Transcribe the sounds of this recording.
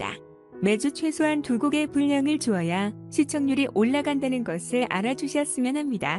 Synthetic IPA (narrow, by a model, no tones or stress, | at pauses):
da̰ | me̞d͡ʑut͡ɕʰwe̞sʰoɦantuɡuɡe̞puʎːʌŋɯɭt͡ɕuʌja | ɕʰit͡ɕʰʌŋɲuɾiʔoɭːaɡandanɯnɡʌsʰɯɭʔa̰ɾad͡ʑuɕʰiʌs͈ɯmjʌnɦhamɲida